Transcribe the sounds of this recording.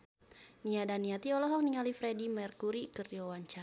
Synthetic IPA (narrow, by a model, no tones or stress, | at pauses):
niadaniat̪iɔlɔɦɔk̚niŋalifɾɛdimɛrkuɾikəriwawaɲt͡ʃa